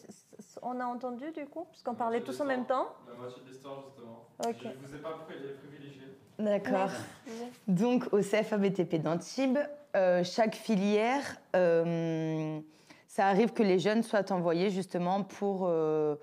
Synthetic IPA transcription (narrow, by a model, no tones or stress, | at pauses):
sɔ̃naɑ̃t̪ɑ̃d̪yd̪ykupaskɔ̃paʁlɛt̪usɑ̃mɛmt̪ɑ̃ | t̪ɔʒyst̪əmɑ̃okʲeɛaipχivileʒje | d̪akʰɔʁ | d̪ɔ̃kʰoseɛfabet̪eped̪ɑ̃t̪ibøʃakfiljɛʁøm | saːʁivkəleʒœnswat̪ɑ̃vwajeʒyst̪əmɑ̃pʰuʁø